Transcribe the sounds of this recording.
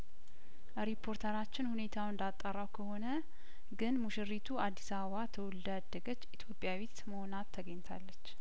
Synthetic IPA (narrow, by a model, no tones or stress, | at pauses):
əɾipʰːo̞ɾt̪ʰəɾat͡ʃːɪnhune̞t̪ʰawɨnd̪at̪ʼːərːawkʰəho̞nə | ɡɨnmuʃɨrːit̪ʰuad̪ːisaβəβat̪ʰəwɔld̪əd̪ːəɡət͡ʃːit̪ʰjo̞pʼːjawit̪məho̞nat̪ʰːəɡəɲt̪ʰa̰lːət͡ʃː